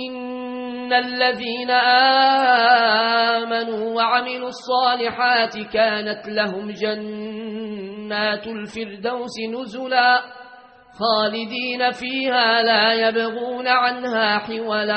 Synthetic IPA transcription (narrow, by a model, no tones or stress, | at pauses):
ʔɪnː | alːaðiːnaʔaː | manuːwaʕamɪluːɑsˤːɑːlɪħaːt̪ɪkaːnat̪laɦʊmd͡ʒan | aːt̪lfɪɾd̪awsɪnʊzʊlaː | xaːlɪd̪iːnafiːhaːlaːjabaɣuːnaʕanhaːħɪwala